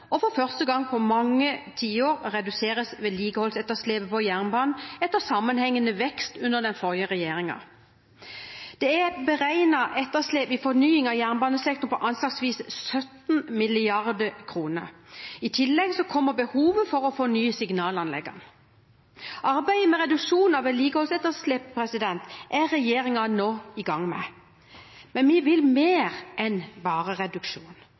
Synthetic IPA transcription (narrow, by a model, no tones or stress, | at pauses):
ɔfɔɾfœʁst̪əɡɑŋpʰɔmɑŋːət̪ʰiːəoːɾʁɛd̪ʉseːʁəsʋeːliːɡəhɔlsɛt̪ːəsleːpəpɔjæʁnbɑːnn̩ɛt̪ːəsɑmːənhɛŋːənəʋɛkst̪ʉnəʁd̪ɛnfɔʁjəʁɛjeːɾɪŋɑ̰ | d̪̥ɛæbəʁæɪnɑʔɛt̪ːəsleːpɪfɔɾnyːɪŋɑʋjæʁnbɑːnəsɛk̚t̪ɔnpʰɔʔɑnslɑːksʋiːssœt̪nmɪlɪɑʁd̪əkʰʁuːnə̰ɾɪt̪ʰɪlːɛɡsɔkʰɔmːəbəhuːʋəfɔɾɔfɔnyːsɪɡnɑːlɑnlɛ̰ɡɑ̰n | ʔɑɾbæɪəmɛʁɛd̪ʉkʂuːnɑʋɛliːkəhɔlsɛt̪ːəslɛːpʰːɾɛsɪd̪ɛnt̪ʔæʁɛjeːɾɪŋɑnoːɪɡɑŋːmɛ̰ | mɛnʋɪʋɪlmeːʁʔɛnbɑːʁəʁɛd̪ʉkʂuːn